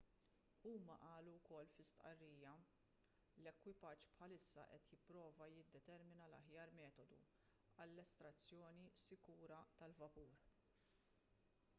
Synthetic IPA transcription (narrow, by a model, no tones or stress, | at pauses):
uːmɐʔɐːluwkɔlːfɪst̪ʔɐrːiːjɐ | lɛkwɪpɐt͡ʃːpħɐlɪsːɐ̰ʔɛt̪jɪpːɾɔːvɐjɪd̪ːɛt̪ɛɾmɪnɐlɐ̰ħjɐːɾmɛːt̪ɔd̪ṵ | ɐlːɛst̪ɾɐt͡sːjɔːnisɪkuːɾɐt̪ɐlvɐpuːɾ